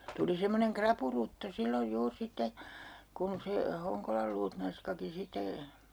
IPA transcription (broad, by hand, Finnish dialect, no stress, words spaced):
tuli semːoneŋ krɑpurutːo silːoj juːr sitːe kun se hoŋkolɑl luːtnɑnskɑki site